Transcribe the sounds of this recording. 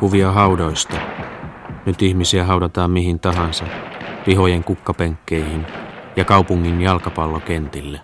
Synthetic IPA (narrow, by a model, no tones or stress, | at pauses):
kuʋiɑɦɑudoist̪ɑ | nyt̪ihmisiæɦɑudɑt̪ɑːmmiɦint̪ɑɦɑnsɑpiɦo̞jeŋkukːɑpeŋkːejhinjɑkɑupuŋːinjɑlkɑpɑlːokent̪ilːe